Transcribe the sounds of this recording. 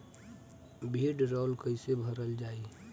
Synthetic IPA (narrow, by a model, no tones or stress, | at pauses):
bʱeɖɾɔːlkəɪsebʱəɾəld͡ʒaːi